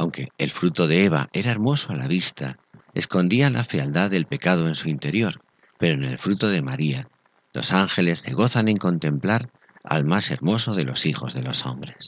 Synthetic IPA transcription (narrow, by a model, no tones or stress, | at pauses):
awŋke̞ːlfɾut̪o̞ðe̞eβ̞a̰ʔe̞ɾae̞ɾmo̞so̞alaβist̪a | e̞sko̞nd̪ialafeald̪aðe̞lpe̞kað̞o̞e̞nsuint̪e̞ɾjo̞ɾ | pe̞ɾone̞lfɾut̪o̞ð̞e̞maɾia | lo̞̰saŋxe̞le̞sːe̞ɣ̞o̞θanẽ̞ŋko̞nt̪ẽ̞mplaɾ | a̰lmase̞̰ɾmo̞so̞ð̞e̞lo̞sixo̞zðe̞lo̞so̞̰mbɾe̞s